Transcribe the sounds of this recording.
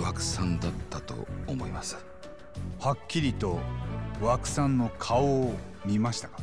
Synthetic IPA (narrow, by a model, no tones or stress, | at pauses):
βakɯ̟̥sãnd̪at̪ːat̪o̞̰ːmo̞imasɨ̥ | hakʲːiɾʲit̪o̞βakɯ̟̥sãnːo̞kʰaoː | mʲimaɕi̥t̪ḁkḁ